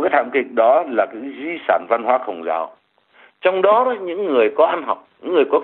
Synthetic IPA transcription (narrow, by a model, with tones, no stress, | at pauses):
kaː˨˦jt̪ʰa̰ː˧˨mkï˨˩k̟̚ɗɔ˨˦laː˨˩kɨ̰˧˥zi˧saː˧˩nva˧nɦwaː˨˦xə˨˩wŋ͡mza̰ː˧˨˩w | t͡ɕɔ˧wŋ͡mɗɔ˨˦ɔ˨˦ɲɨ̰˧˥ŋːɨ˨˩əjkɔ˨˦ʔa˧nɦa˨˩wk͡p̚ɲɨ̰˧˥ŋːɨ˨˩əjkɔ˨˦